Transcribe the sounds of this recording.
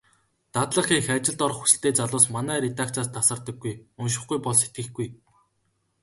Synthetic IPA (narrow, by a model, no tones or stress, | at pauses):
t̪at̪ɮə̆χiːŋxæːt͡ɕɪ̆ɮt̪ɔr̆χxu̥sɘ̆ɬt̪eːt͡saɮʊːsmanæːɾet̪ak̚t͡saːst̪ʰasə̆rt̪ə̆ɡːujɵnʃ̬ɪ̆χɡujpɔɮse̥t̪̚ɡɘ̆xɡuj